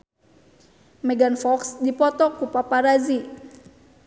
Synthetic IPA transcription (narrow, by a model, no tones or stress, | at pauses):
mɛɡanfɔksdipɔt̪ɔkupapaɾazi